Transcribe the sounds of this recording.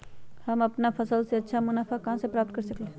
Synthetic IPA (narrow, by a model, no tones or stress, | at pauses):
hɐmɐpnafʰɐsəlseɐtːʃʰamʊnaːfʰakɐɦãsepɾaːp̚t̪̚kɐɾsɐkle